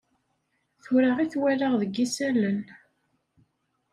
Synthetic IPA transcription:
θʊɾaʁiθwælaʁðəɡːisælən

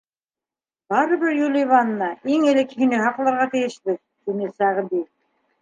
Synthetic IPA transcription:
bɑɾɤ̆βɘɾjulʲˠɪjβɑnːɑʔiŋelĕkhĭnɘɦɑqlˠɑɾʁɑt̪ijɘ̆ʃt̪ɘk̚t̪inɘsæʁbi

